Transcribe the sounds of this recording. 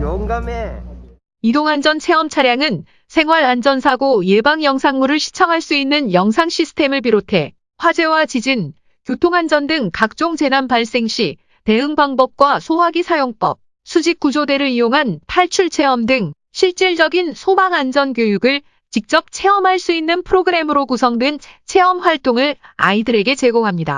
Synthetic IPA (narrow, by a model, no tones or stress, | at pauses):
m | idoŋand͡ʑʌnt͡ɕʰe̞ʌmt͡ɕʰaɾjaŋɯn | sʰe̞ŋɦwaɾand͡ʑʌnsʰaɡoebaŋjʌŋsʰaŋmuɾɯɭɕʰi̥t͡ɕʰʌŋɦaɭs͈uinːɯnjʌŋsʰaŋɕʰisʰɯ̥tʰe̞mɯɭp̬iɾotʰe̞ | ɸwad͡ʑe̞wat͡ɕid͡ʑin | kjotʰoŋand͡ʑʌndɯŋkak̚t͡ɕ͈oŋd͡ʑe̞nanpaɭs͈e̞ŋɕʰi | te̞ɯŋbaŋbʌp̚k͈wasʰoɦaɡisʰajoŋp͈ʌp̚ | sʰud͡ʑik̚k͈ud͡ʑode̞ɾɯɭijoŋɦanpʰaɭt͡ɕʰuɭt͡ɕʰe̞ʌmdɯŋ | ɕʰiɭt͡ɕ͈iɭd͡ʑʌɡinsʰobaŋand͡ʑʌnkjojuɡɯɭ | t͡ɕik̚t͡ɕ͈ʌp̚t͡ɕʰe̞ʌmɦaɭs͈uinːɯnpʰɯɾoɡɯɾe̞mɯɾokusʰʌŋdwɯnt͡ɕʰe̞ʌmɸwaɭt͈oŋɯɭa̰idɯɾe̞ɡe̞t͡ɕe̞ɡoŋɦamɲida̰